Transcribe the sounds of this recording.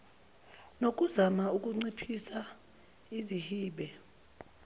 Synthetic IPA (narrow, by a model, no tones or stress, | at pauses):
nok̬ʼuzamauk̬ʼuŋ͡ǀipʰisa | izihiːɓɛ